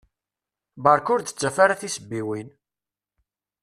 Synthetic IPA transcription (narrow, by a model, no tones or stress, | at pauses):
bəɾkʊɾd̪ə̥t͡sːæfaɾaθisəbːiwin